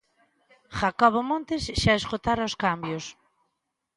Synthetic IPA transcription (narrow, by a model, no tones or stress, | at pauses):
xakɔβomõnt̪esʃaeskot̪aɾoʊskambjos